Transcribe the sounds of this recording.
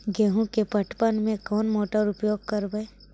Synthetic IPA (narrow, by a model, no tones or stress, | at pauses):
ɡeːɦũkepɐʈpənmẽkɔːnmɔːʈəɾʊpjoːɡ̚kəɾbəe